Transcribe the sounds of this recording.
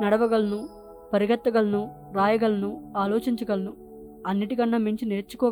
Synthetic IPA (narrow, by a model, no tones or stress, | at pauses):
nɐɽɐʋɐɡɐlɐnu | pɐɾiɡʱɐt̪ːɐɡɐlɐnu | ɾaːjɐɡɐlɐnuaːloːt͡ʃiɲt͡ʃɐɡɐlɐnu | ɐnːiʈikɐnːɐmiɲt͡ʃine̞ːɾt͡ʃu̥kɔː